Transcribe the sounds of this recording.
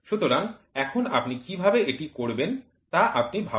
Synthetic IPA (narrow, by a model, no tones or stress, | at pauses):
ʃut̪oɾaŋɛkʰonapnikibʱabeʔeʈikoɾben | t̪aʔap̚nibʱa